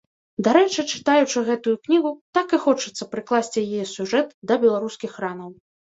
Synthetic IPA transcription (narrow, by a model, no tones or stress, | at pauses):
d̪aɾɛt͡ʂɨt͡ʂɨ̥t̪ajut͡ʂɨɣɛt̪ujuknʲiɣut̪akɨxɔt͡ʂɨt̪sːɐpɾɨklˠasʲt͡sʲijijɛsʲuʐɛt̪d̪ɐbʲɛlˠaɾuskʲixranɐw